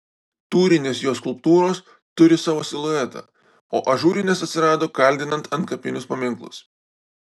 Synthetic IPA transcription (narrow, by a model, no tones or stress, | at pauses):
t̪uːɾʲɪnʲeːsjoːskʊlˠpt̪uːɾoːs | t̪ʊɾʲɪsɑːʋoːsʲɪlˠʊɛt̪ʰɐ̰ | o̰ːʔɐʒuːɾʲɪnʲeːsɐt̪ʲsʲɪɾɑːd̪oːkɐlʲd̪ʲɪnɐnt̪ɐnt̪kɐpʲɪnʲʊspɐmʲɪŋˑklˠʊ̰s